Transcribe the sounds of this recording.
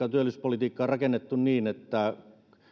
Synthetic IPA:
ɑt̪yølːˑyspolit̪iːkːɑːrɑkenːet̪ːunniːnet̪ːæ

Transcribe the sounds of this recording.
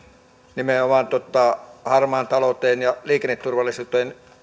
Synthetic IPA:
nimeomɑˑnt̪ot̪ːˑɑhɑrmɑːnt̪ɑlot̪ˑeːnjɑliːkenːet̪t̪urʋɑlːˑisuːt̪ˑoen

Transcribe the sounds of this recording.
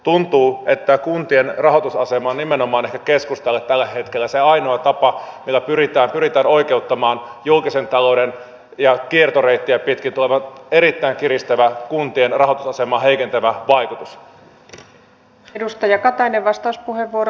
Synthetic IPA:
t̪unt̪uːe̞t̪ːækunt̪ie̞nrɑɦo̞t̪usɑse̞mɑnime̞nomɑːnehkækeskust̪elːet̪ːælːæɦe̞t̪kelːæseɑjnoɑt̪ɑpɑmilːæpyɾit̪æːmpyɾit̪æːno̞jkeut̪ːɑmɑːnjulkise̞nt̪ɑlo̞wden | jɑkiert̪oreit̪ːiæpit̪kit̪uleʋɑe̞ɾit̪ːæiŋkiɾist̪æʋækunt̪ienrɑɦo̞t̪usɑse̞mɑːɦe̞ikent̪æʋæʋɑjkut̪us | dust̪ɑjɑkɑt̪ɑineʋʋɑst̪ɑuspuhe̞ʋːuoɾ

